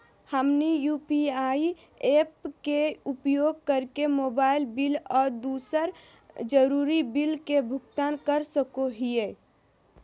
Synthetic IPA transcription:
həmnijuːpiai | eːpkeupjoːɡ̚kəɾkemoːbaːɪlbilɔːɾd̪uːsəɾ | d͡ʒəɾuːɾibilkebʱʊkt̪aːnkəɾsəkoɦije

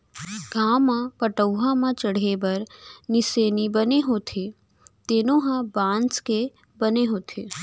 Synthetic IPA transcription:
ɡʱãːmãpəʈəwɦãmãt͡ʃəɽ̤ebɐɾnɪseːnibəneɦoːt̪ʰe | t̪eːnõɦãbãːnske | bɐneɦoːt̪ʰeː

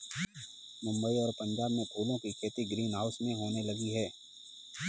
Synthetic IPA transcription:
mʊ̃mbəiɔːɾpɐ̃ɲd͡ʒaːbmẽpʰuːlõkikʰeːt̪iɡɾiːnɦaʊsmẽɦoːnelɐɡiɦɛː

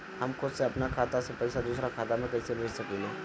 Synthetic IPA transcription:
ɦɐmkʊd̪seɐpnakʰaːt̪asepɐɪsad̪uːsɾakʰaːt̪amẽkɐisebʱeːd͡ʒsɐkileː

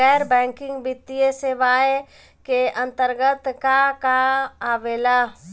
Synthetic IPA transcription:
ɛːɾbɛ̃ːŋkɪ̃ŋɡbɪt̪ːijeseʋaːe | keʔɐ̃nt̪əɾɡət̪kakaaːʋeːlaː

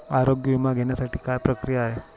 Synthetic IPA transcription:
aɾoɡjomãɡɛnasaʈikajpɾəkɾijaɦe

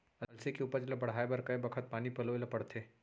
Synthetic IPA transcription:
ɐɐlsekeuːpəɾd͡ʒlabɐɽ̤aːebɐɾkɐebɐkʰət̪̚paːnipɐloelapɐɽt̪ʰeː

